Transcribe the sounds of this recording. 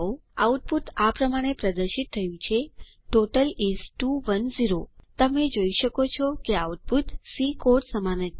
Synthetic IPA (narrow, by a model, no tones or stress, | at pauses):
oauʈ̚put̪apɾəmaɽ̃epɾəd̪əɾʃit̪ʰːəjũt͡ʃʰe | ʈoʈəlizʈuʋənziɾot̪əmed͡ʒoiʃəkot͡ʃʰɔkeauʈ̚put̪sikoʈsəmanət̪